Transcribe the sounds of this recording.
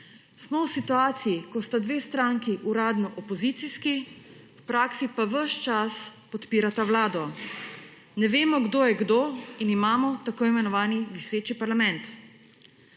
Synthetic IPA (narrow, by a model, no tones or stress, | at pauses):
smɔwsit̪uaːt̪sijikɔst̪ad̪ʋeːst̪ɾaːŋkiʔuɾaːd̪nɔʔɔpɔzit̪siskiwpɾaːksipaʋəʃt͡ʃaspɔt̪piːɾat̪awlaːd̪ɔ | nɛʋeːmɔɡd̪oːjɛɡd̪oːinimaːmɔt̪akoːimɛnɔʋaːniʋiseːt͡ʃipaɾlamɛnt̪